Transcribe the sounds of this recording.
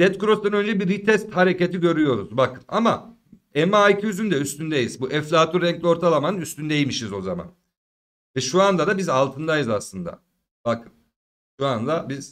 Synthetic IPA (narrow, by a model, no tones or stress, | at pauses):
d̪̥ɛt̪kuɾo̞st̪anø̞nd͡ʒɛbiɾit̪ʰɛst̪haɾe̞ce̞t̪ʰiɟø̞ɾyjo̞ɾṵzbakʰɯ̥na̰ma | ɛmaːicʰiyzynd̪ɛyst̪ʰynd̪ejiz̥buʔɛflʲat̪ʰuɾɛŋclʲio̞ɾt̪ʰalˠamanɯnyst̪ynd̪ejimiʃizo̞zama̰n | vɛʃuand̪ad̪abizalˠt̪ʰɯnd̪ajɯzaslˠɯnd̪a̰ | bakʰɯn | ʃuand̪abiz̥